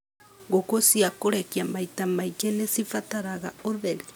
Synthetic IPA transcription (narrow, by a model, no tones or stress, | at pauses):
ɡokosiakoɾekiamaitamait͡ʃenesifataɾaɣaoðeɾi